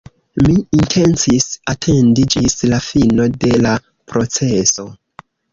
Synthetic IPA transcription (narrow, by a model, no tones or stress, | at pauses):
miintʰe̞nt͡sisatʰe̞ndid͡ʒislafino̞de̞la | pɾo̞t͡se̞so̞